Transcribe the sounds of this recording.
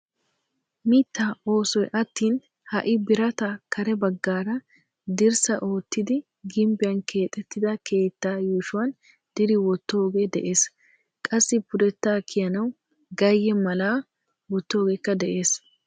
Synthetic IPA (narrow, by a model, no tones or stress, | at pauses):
miːt̪ːao̞ːsɔjʔɐt̪ːiːn | hɐʔɪbɪɾɐt̪ɐkɐɾɛbɐɡːaːɾɐ | d̪ɪɾsɐʔo̞ːt̪ːɪd̪ɪ | ɡɪmbɪjɐnkʰe̞ːt̪ʼːɛt̪ːɪd̪ɐkʰe̞ːt̪ːaːjuːʃʊwɐn | d̪̥ɪɾɪwɔt̪ːo̞ːɡe̞d̪ɛʔe̞ːs | kʼɐsːɪpʊɾɛt̪ːaːkʰɪjɐnɐw | ɡɐjːɛmɐlaː | wɔt̪ːo̞ːɡeːkːɐd̪ɛʔe̞ːs